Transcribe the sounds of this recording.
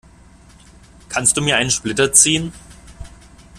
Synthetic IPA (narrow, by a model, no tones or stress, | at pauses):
kʰanstd̥uːmiːɐaɪnənʃplɪtɐt͡siːən